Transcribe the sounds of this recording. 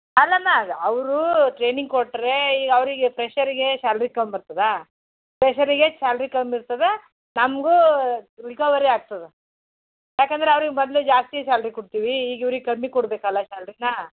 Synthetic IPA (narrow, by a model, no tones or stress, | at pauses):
ɐlːɐnaɐʋɾuʈɾeːniŋɡkoʈːɾe̞iːɡɐɐʋɾiɡepʰɾeʃɐɾiɡe̞ʃaːlɐɾikɐmbiɾt̪ɐd̪e | pɾeʃɐɾiɡeʃaːlɾikɐmiɾt̪ɐd̪e | nɐmɡuɾikɐʋɐɾiaːɡ̚t̪ɐd̪e | jaːkeːnd̪ɐɾeɐʋɾiɡemɔd̪led͡ʒaːst̪ijɐʃaːlɾikoɽt̪iːʋiiːɡiʋɾiɡekɐmːikoɽbeːkɐlːɐʃaːlɐɾinɐ